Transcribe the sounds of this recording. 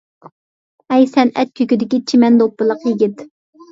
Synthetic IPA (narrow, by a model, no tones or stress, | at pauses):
ɛjsɛnɛ̰t̪̚kʲʰøkʲyd̪ɪkʲit͡ʃʰimɛnd̪opːɨlˠəqjiɡʲit̪